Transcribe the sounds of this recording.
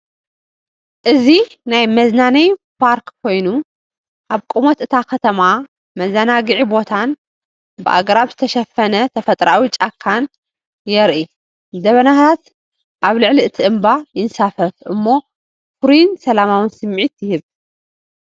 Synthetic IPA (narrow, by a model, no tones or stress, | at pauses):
ʔɨzi | najmɐznanɐjpʰaɾkkʰːo̞jnu | ʔaβkʼumot̪ɨt̪ʰakʰɐt̪ʰɐma | mɐzɐnaɡɨʕibo̞t̪ʰan | bɨʔa̰ɡɾaβzɨt̪ʰɐʃɐfːɐnɐt̪ʰɐfɐt̪ʼɾawit͡ʃʼakʰːan | jɛɾʔi | d̪ɐβɐnat̪ʰat̪ | ʔaβlɨʕliɨt̪ʰiʔɨmbajɪnsafɐfʔɨmːo̞ | fɾinsɐlamawɨnsɨmʕit̪jɪhɨβ